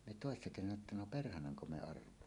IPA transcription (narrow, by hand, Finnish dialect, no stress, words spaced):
me toˑesːɑ kesænæ etːæ no perhɑnɑŋko me ɑrʋˑoɑmːɑ